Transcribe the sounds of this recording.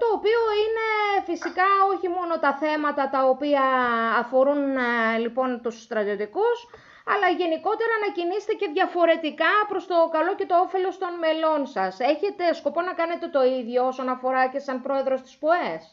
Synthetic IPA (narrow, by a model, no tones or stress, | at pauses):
t̪o̞ːpio̞ine̞fisikɐo̞çimo̞no̞t̪ɐθe̞mɐt̪ɐt̪ɐopiɐːfo̞ɾunlipo̞nt̪usːt̪ɾɐt̪io̞t̪ikus | ɐlɐʝe̞niko̞t̪e̞ɾɐnɐcinise̥t̪ece̞ðʝɐfo̞ɾe̞t̪ikɐpɾo̞st̪o̞kɐlo̞ce̞t̪oofe̞lo̞st̪o̞nme̞lo̞nsɐse̞çe̞t̪e̞sko̞po̞nɐkɐne̞t̪e̞t̪o̞iðʝo̞osonɐfo̞ɾɐce̞sɐmpɾo̞e̞ðɾo̞st̪i̥spoes